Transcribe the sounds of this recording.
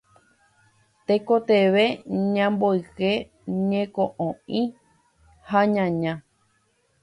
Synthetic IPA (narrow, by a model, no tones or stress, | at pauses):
t̪ekot̪eʋe̞ɲãmbojke | ɲẽkoʔõĩ | haɲãɲã